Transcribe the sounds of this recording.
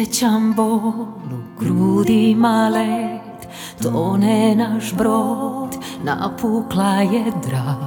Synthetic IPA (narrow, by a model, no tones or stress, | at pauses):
ɛt͡ɕambolukɾuːd̪imalɛ | t̪ | t̪onɛnaʃbɾot̪na̰pʰuklajɛd̪ɾa